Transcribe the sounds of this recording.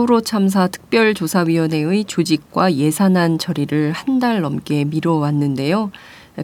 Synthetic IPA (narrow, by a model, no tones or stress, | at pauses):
uɾot͡ɕʰams̬ʰatʰɯ̥k̚p͈jʌɭt͡ɕosʰaɥiwʌne̞ɯit͡ɕud͡ʑik̚k͈waje̞sʰanɦant͡ɕʌɾiɾɯɭhandaɭːʌmk͈e̞miɾʌwanːɯnde̞jo